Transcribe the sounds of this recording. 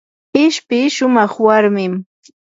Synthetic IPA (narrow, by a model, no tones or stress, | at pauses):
ɪʃpɪʃʊmɑχwaɾmɪm